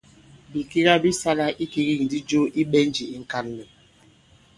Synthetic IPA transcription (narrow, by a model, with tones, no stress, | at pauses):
bi˨ki˦ɣa˦bi˦sa˦la˦ʔi˦ki˦ɣi˦ŋ̩˨di˦d͡ʒo˦ʔi˦ɓɛ˦n˦d͡ʒi˨i˦ŋ̩˦ka˦n˦lɛ˨